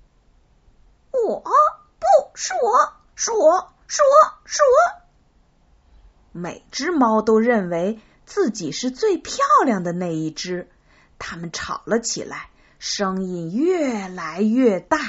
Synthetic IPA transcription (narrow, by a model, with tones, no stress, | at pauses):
wɔ˨˩˥ | pu˥˩ʂwɔ˥ | ʂwɔ˥ | ʂwɔ˥ʂwɔ˥ | me˨˩ɪʈ͡ʂɻ̩˥mɑ˥ʊt̪o˥ʊɻə˥˩nwe˧˥ɪ | t͡sɹ̩˥˩t͡ɕi˨˩ʂɻ̩˥˧t͡swe˥˧ɪpʰjɑ˥˩˧ʊljɑ˥˩ŋd̪ə˩na˥˧ɪi˥˩ʈ͡ʂɻ̩˥ | t̪ʰa˥mə˨nʈ͡ʂʰɑ˨˩ʊlə˦t͡ɕʰḭ˨˩la̰˧˥ɪ | ʂɤ˥ŋi˥˧ŋjɥɛ˥˩la˧˥ɪɥɛ˥˧t̪a˥˩